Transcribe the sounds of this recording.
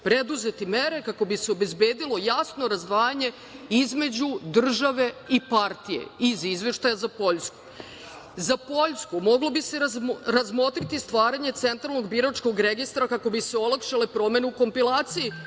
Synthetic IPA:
pɾe̞d̪uze̞t̪ime̞ɾe̞kako̞biseo̞be̞zbeːd̪ilo̞jasno̞ɾazd̪ʋaːjaɲe̞ | izme̞d͡ʑud̪r̩ʒaʋe̞ipaɾt̪ijḛizizʋe̞ʃt̪ajazapo̞ʎsku̥ | zapo̞ʎskumoɡlo̞bise̞ɾaɾazmo̞t̪ɾit̪ist̪ʋaːɾaɲe̞t̪se̞nt̪ɾalˠno̞ɡbiɾat͡ʃko̞ɡɾeɡist̪ɾakako̞biseo̞lˠakʃalepɾo̞me̞neuko̞mpilˠaːt̪siji

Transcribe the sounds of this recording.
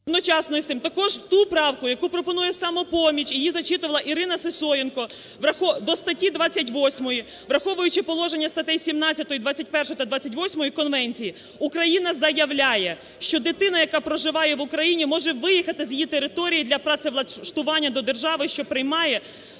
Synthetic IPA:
d̪nɔt͡ʃɑsnɔjst̪ʲɪmt̪ɐkɔʒt̪upɾɑwkʊjɐkupɾɔpɔnujɛsɑmɔpɔmʲit͡ʃijizɐt͡ʃit̪ʊʋɐlˠɐʔiɾɪnɐsɪsɔjɪnkɔ | ʋrɐxɔd̪ɔst̪ɐtʲid̪ʋɑt͡sʲːɐtʲʋɔsʲmɔji | ʋɾɐxɔʋʊjʊt͡ʃɪpɔlˠɔʒenʲːɐst̪ɐt̪ɛjsʲimnɑt͡sʲɐt̪ɔjid̪ʋɑt͡sʲːɐt̚ʲpɛrʃɔjt̪ɐd̪ʋɑt͡sʲɐtʲʋɔsʲmɔjikɔnʋɛnʲt͡sʲiji | ukɾɐjinɐzɐjɐʋlʲajɛ | ʃt͡ʃɔd̪ɪt̪ɪnɐjɐkɑpɾɔʒɪʋɑjɛʋʊkɾɐjinʲimɔʒɛʋɪjixɐt̪ɪzʲjjit̪eɾɪt̪ɔɾʲijid̪lʲɐpɾɑt̪seʋlˠɐʃt̪ʊʋɑnʲːɐd̪ɔd̪erʒɑʋɪʃt͡ʃɔpɾɪjmɑjɛ

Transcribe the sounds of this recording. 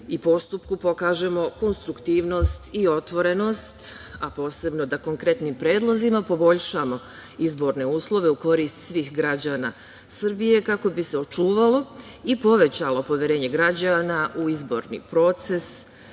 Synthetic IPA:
ipo̞st̪upkupo̞kaːʒe̞mo̞ko̞nst̪ɾukt̪iːʋno̞st̪io̞t̪ʋo̞ɾe̞no̞st̪apo̞ːse̞bno̞d̪ako̞ŋkɾe̞t̪niːmpɾe̞ːd̪lˠozimapo̞bo̞ʎʃaːmo̞ | izbo̞ːɾne̞uːslˠo̞ʋe̞uko̞ɾiːst̪sʋiːxɡɾad͡ʑaːna̰ | sr̩bije̞kako̞biseo̞t͡ʃuːʋalo̞ | ipo̞ʋe̞t͡ɕalo̞po̞ʋje̞ɾe̞ːɲe̞ɡɾad͡ʑanaʔuizbo̞̰ɾnḭːpɾo̞t̪se̞s

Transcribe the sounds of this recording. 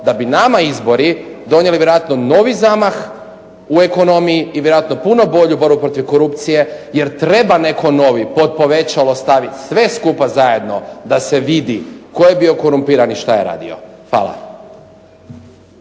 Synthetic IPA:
d̪abinamaizbo̞ɾid̪o̞njeliʋjeɾoat̪no̞no̞ʋizamax | ue̞ko̞no̞mijiːʋjeɾoat̪no̞puno̞bo̞ʎubo̞ɾbupɾo̞t̪iʋkoɾupt̪sije̞je̞ɾt̪ɾe̞bane̞kʰo̞no̞ʋipo̞d̪̚po̞ʋe̞t͡ɕalo̞st̪aʋit̪sʋe̞skupazaje̞d̪no̞d̪ase̞ʋid̪iko̞jebio̞ko̞ɾumpiːɾaniʃt̪ajeɾa̰ːd̪ḭo̞̰xʋa̰ːlˠa̰

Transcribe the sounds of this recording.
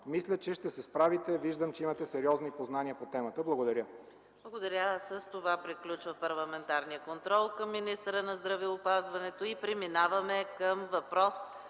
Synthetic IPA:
mislʲət͡ʃɛʃt̪ɛsɛspɾavit̪ɛviʒd̪əmt͡ʃɛimət̪ɛsɛɾʲiɔznipoznaniəpot̪ɛmət̪əblˠɐɡod̪ɐɾʲə | blˠɐɡod̪ɐɾʲəsəst̪ovapɾiklʲut͡ʃvəpɐɾlˠɐmɛnt̪aɾnijəkont̪ɾɔlˠkəmːinist̪əɾənɐzd̪ɾɐvɛʊpazvɐnɛt̪oipɾɛminavɐmɛkəmvɐpɾɔs

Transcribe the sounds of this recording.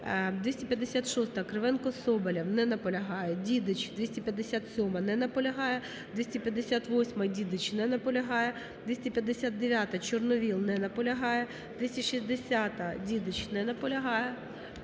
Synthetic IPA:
d̪ʲʋʲisʲtʲipʲjɐd̪ːesʲat̪ʃɔst̪ɐkɾeʋɛnkɔsɔbɐlʲɐwnɛnɐpɔlʲɐɦɑjɛdʲid̪ɪt͡ʃd̪ʋʲisʲtʲipʲjɐd̪ːesʲat̪sʲɔmɐnɛnɐpɔlʲɐɦɑjɛ | d̪ʋʲisʲtʲipʲjɐd̪ːesʲat̪ʋɔsʲmɐdʲid̪ɪt͡ʃnɛnɐpɔlʲɐɦɑjɛ | d̪̥ʋʲisʲtʲipʲjɐd̪ːesʲat̪d̪eʋʲjat̪ɐt͡ʃɔrnɔʋʲilˠnɛnɐpɔlʲɐɦɑjɛ | d̪̥ʋʲisʲtʲiʃisʲd̪esʲat̪ɐdʲid̪ɪt͡ʃnɛnɐpɔlʲɐɦɑjɛ

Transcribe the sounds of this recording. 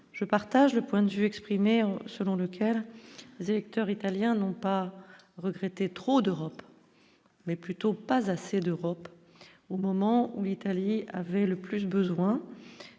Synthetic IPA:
ʒ̥əpaʁt̪aʒləpwɛ̃d̪əvyɛkspχimesəlɔ̃ləkʲʰɛlːezelɛk̚t̪œʁit̪aljɛ̃nɔ̃pa | ʁəɡʁɛt̪et̪χod̪øʁɔp | mɛplyt̪opazased̪øʁɔp | omɔmɑ̃ulit̪aliavɛləplys̬bəzwɛ̃

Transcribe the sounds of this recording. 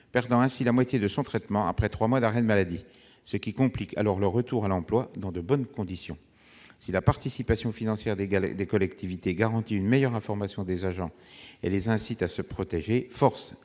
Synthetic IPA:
pɛʁd̪ɑ̃ɛ̃silamwat̪jed̪əsɔ̃t̪χɛt̪mɑ̃a̰pχɛt̪χwamwad̪aʁɛd̪əmalad̪i | səkʲikɔ̃plikʰa̰lɔʁləʁət̪uʁalɑ̃plwad̪ɑ̃d̪əbɔnkɔ̃d̪isjɔ̰̃ | silapaʁt̪isipasjɔ̃finɑ̃sjɛʁd̪ed̪ekɔlɛkt̪ivit̪eɡaʁɑ̃t̪iynmejœʁɛ̃fɔʁmasjɔ̃d̪ezaʒɑ̃ḛlezɛ̃sit̪asəpχɔt̪eʒefɔʁs

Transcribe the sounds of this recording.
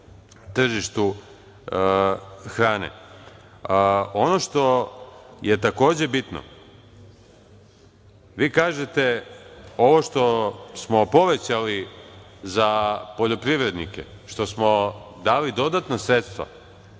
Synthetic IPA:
t̪r̩ʒiʃt̪u | xɾaːnḛ | ono̞ʃt̪o̞ | je̞t̪ako̞ːd͡ʑe̞bit̪no̰ | ʋiːkaːʒet̪e̞ | o̞ʋo̞ʃt̪o̞smo̞po̞ʋet͡ɕali | zapo̞ʎo̞pɾiʋɾe̞d̪nḭkḛ | ʃt̪o̞smo̞ | d̪aːlid̪o̞d̪at̪nasɾet̪st̪ʋa̰

